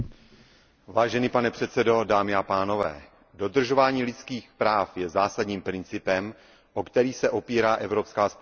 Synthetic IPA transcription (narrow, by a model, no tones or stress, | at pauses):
vaːʒɛniːpanɛpr̥ɛt̪t͡sɛdo̞daːmɪapaːno̞vɛ̰ː | do̞d̪r̩ʒo̞vaːɲiːlɪt͡skiːxpɾaːfjɛzaːsadɲiːmpɾɪnt͡sɪpɛm | ʔokt̪ɛɾiːxsɛʔo̞piːɾaːʔɛvɾo̞pskaːsp